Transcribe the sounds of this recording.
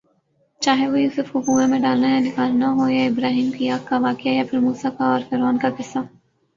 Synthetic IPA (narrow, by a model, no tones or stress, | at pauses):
t͡ʃaːɦeʋojuːsʊfʊkuːemẽɖaːlnajad̪ɪkaːlnaɦoːaɪbɾaːɦiːmkijaːkːaʋaːkɪjajapʰɪɾmuːsakaɔːɾfɛɾaːnkakɪsːa